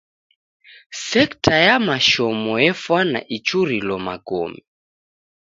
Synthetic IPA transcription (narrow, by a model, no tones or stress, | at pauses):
sɛktajamaʃɔmɔjɛfwana̰ʔit͡ʃuɾilɔma̰ɡɔ̰mi